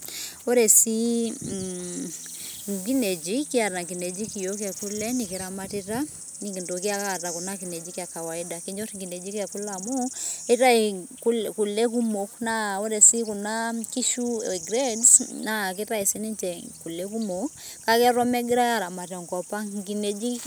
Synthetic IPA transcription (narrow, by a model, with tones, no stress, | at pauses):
o˦ɾɛ˨si˦ | ŋɡi˦nɛ˨d͡ʒi˦ki˦a˨ɾa˨ŋɡi˨nɛ˨d͡ʒi˦ki˨jo˦k̬jɛ˨ku˦lɛ˦nike˨ɾa˨mati˦ta˦ | ni˨ki˨ndo˨kja˦ka˨ta˨ku˨na˦ki˨nɛ˨d͡ʒi˦kja˨ka˨wa˨i˦da˨ke˦ɲd͡ʒo˦tiŋɡi˨nɛ˨d͡ʒi˦kɛ˨ku˦la˨mo˦e˦ta˦e˨ku˦ku˨lɛ˦k̬u˦mo˨kna˦o˦ɾɛ˨si˦ku˨na˦ki˦ʃu˦˨ɡɾɛdsna˨k̬e˦ta˦e˨si˦ni˦nt͡ʃɛ˨ku˨lɛ˦ku˦mo˨ka˦kɛ˦ɾwɔ˦mɛ˦ɡɪ˦ɾa˦ja˦ɾa˨ma˨tɔ˨ŋkɔ˨pa˦ŋɡi˨ne˨d͡ʒi˦